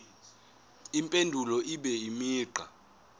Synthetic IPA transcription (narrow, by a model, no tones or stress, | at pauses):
impʼendʱulɔʔiɓɛimiːǃa